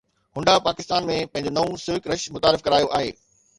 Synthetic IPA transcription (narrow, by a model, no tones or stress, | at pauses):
hʊ̃ɳɖapaːkɪst̪aːnmẽpɐ̃ɦɪ̃ɲd͡ʑonɐʋũsɪʋɪkɾɐʃmʊt̪aːɾɪfkɐɾaːjoʔaːɦḛː